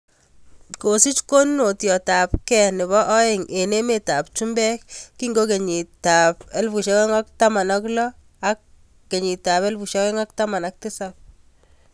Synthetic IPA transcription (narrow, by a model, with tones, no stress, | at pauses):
ko˨si˦t͡ʃko˦nno˨tjɔ˨ta˨p̚kɛ˨nɪ˨βɔ˦ʔɔ˦e˨ŋe˨ne˦me˨ta˨p̚t͡ʃu˦mbɛ˦kkːi˦ŋɡo˦ke˨ɲi˨ta˨pe˦lfu˨ʃɔ˦kɛ˦ŋa˦k̚ta˦ma˨nɔ˦klɔ˦ | a˦kː | e˨ɲi˨ta˨pe˦lfu˨ʃɔ˦kɛ˦ŋa˦k̚ta˦ma˨nak̚tɪ˦sap̚